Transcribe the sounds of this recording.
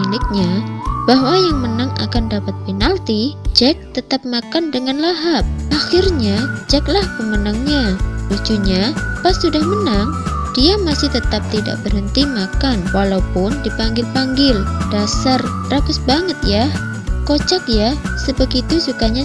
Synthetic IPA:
ilɪk̚ɲabaɦwajaŋmənaŋa̰kandapat̪̚pinalt̪id͡ʒɛk̚t̪ət̪ap̚makandəŋanlaɦap̚ʔaxɪrɲad͡ʒɛklahpəmənaŋɲalud͡ʒuɲapast̪sudahmənaŋ | d̥iamasɪht̪ət̪ap̚t̪ida̰ʔ̚bərhənt̪imakanwalaupʊndipaŋɡɪlpaŋɡɪld̥asar | rakʊsbaŋət̪̚jah | kot͡ʃak̚jasəbəɡit̪usukaɲa

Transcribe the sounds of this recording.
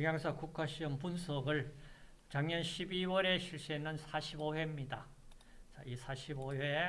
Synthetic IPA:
iŋjaŋsʰʌkukʰaɕ͈ʰiʌmpunsʰʌɡɯɭ | t͡ɕaŋɲʌnɕʰibiwʌɾe̞ɕʰiɭɕ͈iɦenːɯnsʰaɕʰibowe̞mɲida | t͡ɕa̰ʔisʰaɕʰiboɦe

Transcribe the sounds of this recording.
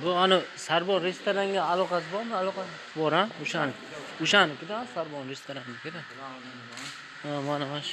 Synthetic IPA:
bʊanɪsaɾbɒnɾe̞st̪oɾaŋɡʲaːlˠɒqʰɑsɪbɒɾmɪalˠɒqɑs | bɒɾanʊʃan | ʊʃanɪkʲɪd̪aansaɾbɒnɾest̪oɾaŋɡʲakʲʰed̪a | n | amanamaʃ

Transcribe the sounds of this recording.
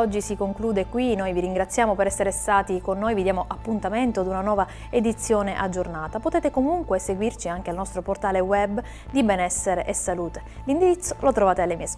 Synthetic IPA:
ɔd͡ʒːisikoŋkluːd̪ekwinojviɾiŋɡɾat̪sːjaːmopeɾɛsːeɾest̪aːt̪ikonːoːjvid̪jaːmoʔapːunt̪ament̪od̪unanwɔːva | ed̪it̪sːjoːneʔad͡ʒːornaːt̪apot̪ɛːt̪ekomuŋkweseɡwirt͡ʃiaŋk̟ealnɔst̪ɾoport̪aːlewɛb | d̪ibɛnɛsːeɾeʔesːaluːt̪e̥ | lind̪iɾit̪sːolot̪ɾovaːt̪ealːemiːes

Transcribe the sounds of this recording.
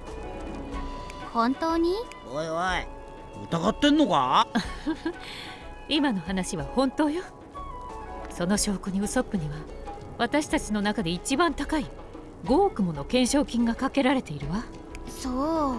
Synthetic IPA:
hõnt̪oːɲ̟i | ojo | ɯ̟t̪aɡat̪ːẽ̞nːoka | imano̞hanaɕiβ̞ahõ̞nt̪o̞ːjo | so̞no̞ɕo̞ːkoɲ̟iɯ̟so̞pːɯ̟ɲ̟iβa | βat̪aɕi̥t̪at͡ɕino̞nakad̪e̞it͡ɕibãnt̪akai | ɡo̞ːkɯ̟mo̞no̞kẽ̞ɰ̃ɕo̞ːkʲĩŋɡakake̞ɾaɾe̞t̪e̞iɾɯ̟βa | soː

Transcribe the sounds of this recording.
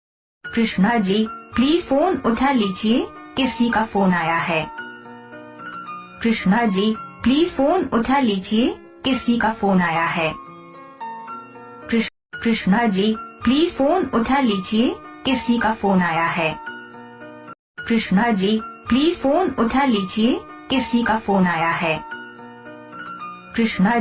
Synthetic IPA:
kɾɪʃnad͡ʒiːliːzfoːnʊʈʰəliːd͡ʒiekɪsikafoːnaːjaɦɛː | kɾɪʃnad͡ʒiːpliːzfoːnʊʈʰəliːd͡ʒie | kɪsikafoːnaːjaɦɛː | kɾɪ | kɾɪʃnad͡ʒiːpliːzfoːnʊʈʰaliːd͡ʒiekɪsikafoːnaːjaɦɛː | ɾɪʃnad͡ʒiːpliːzfoːnʊʈʰəliːd͡ʒie | kɪsikafoːnaːjaɦɛː | kɾɪʃna

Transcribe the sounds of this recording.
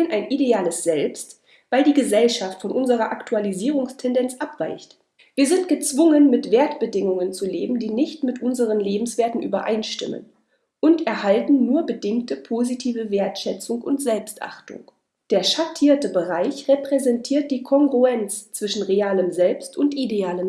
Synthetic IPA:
ənʔaɪnʔideaːləsz̥ɛlpst | vaɪldiːɡəzɛlʃaftfɔnʔʊnzəʁɐʔaktʰualiziːʁʊŋstʰɛndɛnt͡sʔapv̥aɪçt | viːɐzɪnt̚ɡ̥ət͡sv̥ʊŋənmɪtv̥eːɐtb̥ədɪŋʊŋənt͡suleːbm̩diːnɪçtmɪtʔʊnzəʁənleːbm̩sv̥eːɐtn̩ʔy̰ːbɐ̰ʔa̰ɪnʃtɪ̰mə̰n | ʔʊntɛɐhaltn̩ːuːɐbədɪŋk̚təpʰoːzitʰiːvəveːɐtʃɛt͡sʊŋʔʊntz̥ɛlpstʔa̰χtʊ̰ŋ | d̥eːɐʃatʰiːɐtəbəʁaɪçʁepʁ̥ɛzɛntʰiːɐt̚d̥iːkʰɔŋɡʁuɛnt͡st͡sv̥ɪʃn̩ʁeaːləmzɛlpstʊntʔideaːləm

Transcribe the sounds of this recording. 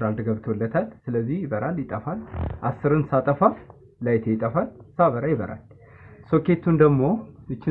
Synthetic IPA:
ald̪ɨɡəβt̪ʰwɔlːət̪ʰalsɨləzːihjɪbəɾʔaljɪt̪ʼəfalʔasːɨɾɨnsat̪ʼəfaf | lajt̪ʰejɪt̪ʼəfalsaβəɾajɪβəɾʔa̰l | soke̞t̪ʰːund̪əɡmo̞ɨt͡ʃːɪ

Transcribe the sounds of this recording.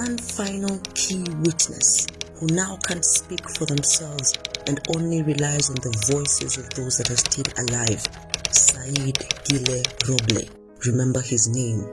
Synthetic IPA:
ãnfãjnəlkʰiwitnɛ̰shunawkʰãntspikfɔðɛ̃msɛlvzʔɛ̃ndõnliɹilajzɔ̃nðəvɔjsɛ̰zɔvðozðæt̚haztʰĩnə̰lajv̥ | saidɡ̥ilɛɹɔblḭ | ɹimɛ̃mbəhiznẽm

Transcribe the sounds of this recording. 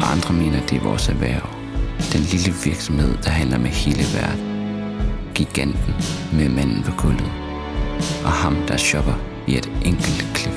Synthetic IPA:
ʔɑ̈nd̥ʁɐme̝̰ːnɐd̥e̝ʋɒ̰sæʋæːɐʊ | d̥enliləʋiɐɡ̥sɒ̽mhe̝ð̞̰ˠd̥ɑ̈ɦæn̰lɐmehe̝ːləʋæɐd̥n̩ | ɡ̥iɡ̥æn̰d̥n̩memæn̰n̩pʰɒ̽kʰɔl̰ð̩ˠ | ʔɒ̽hɑ̈md̥ɑ̈ɕɒ̽b̥ɐʋied̥ʔeŋ̰ɡ̥l̩d̥kʰlib̥

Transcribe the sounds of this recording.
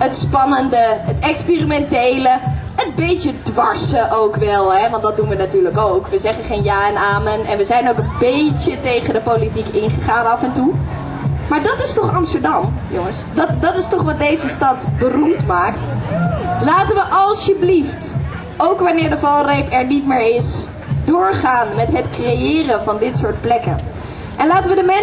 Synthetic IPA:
ətspɑnəndəɦətɛkspirimɛntejlə | ətbejtədʋɑɹsəʔowkʋɛlˠɦɛʋɑntdɑd̚dunʋənatyːɹləkowkʋəzɛχənχejnjaːɛnaːmənɛ̰nʋəzɛjnowkənbejtətejχəndəpowlitikɪnχəχaːnɑfɛntu | maːɹdɑtɪstɔχɑmstəɹdɑmjʊŋəsdɑdɑtɪstɔχʋɑt̚dejzəstɑtbərumtmaːkt | laːtənʋəʔɑlˠsjəblift | owkʋɑnɪːɹdəvɑlˠrejpɛɹnitmɪːɹɪs | dʊːɹχaːnmɛtɦətkrejɪːrənvɑndɪtsʊːɹt̚plɛkə̰n | ʔɛnlaːtəʋədəmɛn

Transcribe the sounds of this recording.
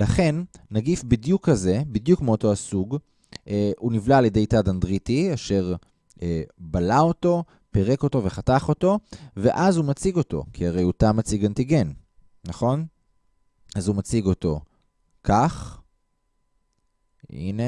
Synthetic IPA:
laχe̞nːaɡifbidjukːaze̞bid̪jukmeoto̞asuɡ | univlaːljede̞jtadandʁitiaʃe̞ʁ | ebalao̞to̞ | pe̞ʁe̞ko̞to̞ve̞χataχo̞to̞ve̞ʔazumat͡siɡo̞to̞̰kʰiaʁe̞jotamat͡siɡantiɡe̞n | naχo̞n | azumat͡siɡo̞to̞ | kaχ | ḭne

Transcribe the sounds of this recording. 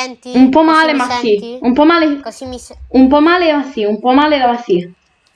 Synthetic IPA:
umpɔmalemaθiumpɔmale | umpɔmalemaθiumpɔmaleðamaθi

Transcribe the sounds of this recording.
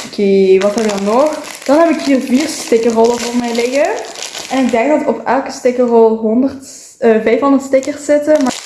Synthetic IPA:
okʰeːʋɑtɦɛbəkdɑnɔx | d̥ɑnɦɛbɪkɦiːrviːrstɪkərɔlˠəvoːrmɛjlɪɣəʔɛnɪɡ̚dɛŋɡ̚dɑtɔpɛlˠkəstɪkərɔlˠɦɔndərt | əvɛjfɦondərtstɪkərsɪtəma

